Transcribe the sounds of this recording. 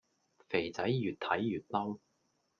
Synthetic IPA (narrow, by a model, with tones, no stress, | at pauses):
fe˨˩jt͡sɐ˨˥jːyː˨˩t̚t̪ʰɐ˨˥jːyː˨˩t̚lɐ˥w